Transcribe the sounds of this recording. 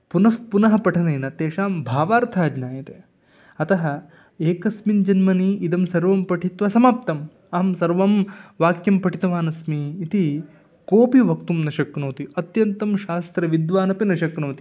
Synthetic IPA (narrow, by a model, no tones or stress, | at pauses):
punɐfpunɐɦɐpɐʈʰɐnɐjnɐt̪eːʃaːmbʱaːʋaːɾt̪ʰaːd͡ʒnaːjɐt̪eː | ɐt̪ɐɦɐ | eːkɐsmind͡ʒɐnmɐniid̪ɐmsɐɾʋɐmpɐʈʰit̪ʋɐsɐmaːp̚t̪ɐm | ɐmsɐɾʋɐmʋaːkjɐmpɐʈʰit̪ɐʋaːnɐsmiːt̪i | koːpiʋɐk̚t̪umnɐʃɐknoːt̪iɐt̪jɐnt̪ɐmʃaːst̪ɾɐʋid̪ʋaːnɐpinɐʃɐknoːt̪i̥